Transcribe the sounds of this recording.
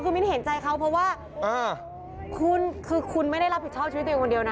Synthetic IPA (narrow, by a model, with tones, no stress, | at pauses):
kʰɯː˧mi˥˦˥ɦe˩˦nt͡ɕa˧jkʰa˦˥wpʰɾɔ˦˥waː˥˩ | ʔɤː˧ | kʰu˧nkʰɯː˧kʰu˧nma˥˩jɾa˥˩jɾa˦˥p̚hi˨˩t̪̚t͡ɕɔː˥˩pt͡ɕʰi˧˦˥ko˧di˧əwna˦